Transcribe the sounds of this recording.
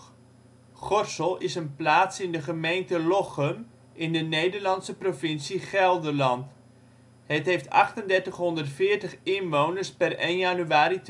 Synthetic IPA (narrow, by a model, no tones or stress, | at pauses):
χɔrsəlˠɪsənplaːtsɪndəχəmejntəlɔχəm | ʔɪndənejdəɹlɑntsəprofɪnsiχɛlˠdərlɑnt | ɦətɦejftɑ̰χtəndɛɹtəχɦɔndərtfɪːɹtəχɪnʋownərspərenjanyaːɾit